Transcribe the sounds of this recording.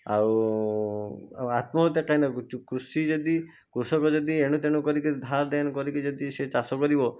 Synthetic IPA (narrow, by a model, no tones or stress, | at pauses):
a̰w | at̪mɔt̪ekainɔkɾusid͡ʒɔd̪i | kɾusɔkɔd͡ʒɔd̪ieɽ̃ut̪eɽ̃ukɔɾikid̪ʱaɾd̪enkɔɾikid͡ʒɔd̪iset͡ʃasɔkɔɾibɔ